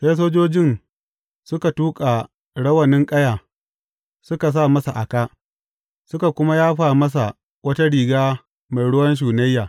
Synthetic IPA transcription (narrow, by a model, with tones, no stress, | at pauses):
sa˦s̬oː˦d͡ʒoː˦d͡ʒɪ˦˨n | sʊ˦ka˨tuː˦kʼa˨ | ɽɐ˦wɐ˨nɪ˦ŋkʼɐ˦jaː˨ | sʊ˦ka˨s̬a˦˨mɐ˦sa˨ʔa˨kaː˦ʔ | sʊ˦ka˨kʷʊ˦ma˦jaː˦ɸaː˨mɐ˦s̬a˨ | wɐ˦ta˦ɽiː˨ɡaː˦ | ma˨jɽʊ˦wɐ˦nʃ̬uː˨nɐ˦jːaː˨